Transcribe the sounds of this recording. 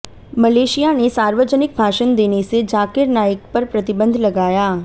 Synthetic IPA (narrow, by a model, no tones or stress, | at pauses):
mɐleːʃijanesaːɾʋəd͡ʒənɪk̚bʱaːʃənd̪eːnesed͡ʒaːkɪɾnaːjək̚pɐɾpɾɐt̪ɪbə̃nd̪ʱlɐɡaːjaː